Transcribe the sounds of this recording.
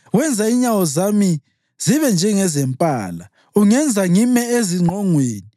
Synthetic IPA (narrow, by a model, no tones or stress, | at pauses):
wɛnd͡zʱaiɲawɔzami | ziβɛnd͡ʒʱɛŋɛzɛmpʼa̰ːla | uŋɛnd͡zʱaŋimɛeziŋ͡ǃʱɔŋweːni